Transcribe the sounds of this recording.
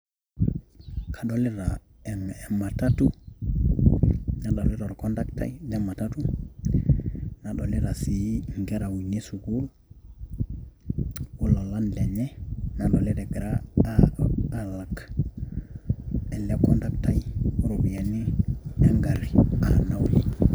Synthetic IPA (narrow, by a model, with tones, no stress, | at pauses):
kʰa˨ɗo˨li˦ɾa | ɛŋɛ˨ma˨tatu | na˨ɗo˨li˦ɾo˨ɾkondakta̰˦jdɛ˦ma˨ta˦tu˦ | na˨ɗo˨li˦ɾa˨si˨ŋɡɛ˦ɾa˨wu˨ni˦su˨ɡul | u˦lo˨lanle˨ɲɛ˦na˨ɗo˨li˦ɾe˨ɡi˨ɾa | ala˨k | e˨le˦kɔndakta˦ju˦ɾubi˨ja˨nieŋɡaɾia̰na˦wli